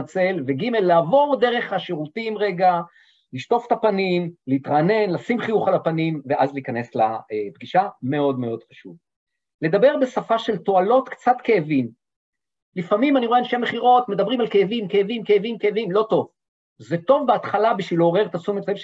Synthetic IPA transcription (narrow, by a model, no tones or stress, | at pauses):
t͡se̞lveɡime̞lːaːvo̞ʁd̪e̞ʁe̞χaʃeʁutimʁeɡa | liʃt̪o̞fe̥t̪apanimleit̪ʁaːne̞nlasimχijuχalapanimveʔazliːkane̞sla̰ebɡiʃame̞o̞d̪me̞o̞d̪χaʃṵv | le̞d̪abe̞ʁbesafaʃe̞lto̞alo̞t̪kt͡sat̪keːvim | lifamimaniʁoeanʃemeχiʁo̞t̪me̞d̪abʁimalke̞ːvimkeːvimkeːvimkeːvimlo̞t̪o̞v | zet̪o̞vbeat̪χalabiʃvilo̞ʁe̞ʁt̪asumetai